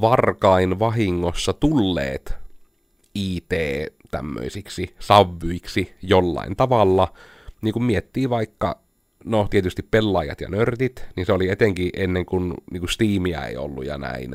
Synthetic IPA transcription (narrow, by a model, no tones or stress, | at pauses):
ʋɑrkɑinʋɑɦiŋːosːɑt̪ulːḛːt̪ | iːt̪eːt̪æ̰mːø̰isiksisɑʋːuiksijolːɑ̰int̪ɑʋɑlːɑ | niːŋkummiet̪ːiːʋɑikːɑ̰ | not̪iet̪yst̪ippelːɑjɑ̰t̪jɑ̰nørt̪it̪ninseoliet̪eŋkiʔenːeŋkunniːkust̪iːmiæ̰ḛio̰lːṵjɑ̰næ̰in